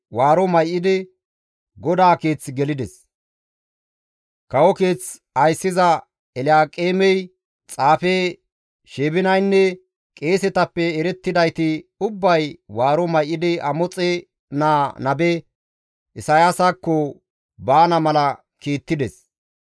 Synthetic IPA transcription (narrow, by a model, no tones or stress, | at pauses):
waːɾɔmɐjʔːɪd̪ɪ | ɡɔd̪aːke̞ːt͡sɡɛlɪd̪ɛs | kɐwɔke̞ːt͡s | ɐjsːɪzɐ | ɛlɪaːkʼeːmɛj | t͡sʼaːfeː | ʃeːbɪnɐjnːɛ | kʼe̞ːsɛt̪ɐpːɛːɾɛt̪ːɪd̪ɐjt̪ɪʊbːɐjwaːɾɔmɐjʔɪd̪ɪɐmɔt͡sʼɛ | naːnɐbɛ | ʔɪsɐjasakːɔ | baːnɐmɐlɐ | kiːt̪ːɪd̪ɛs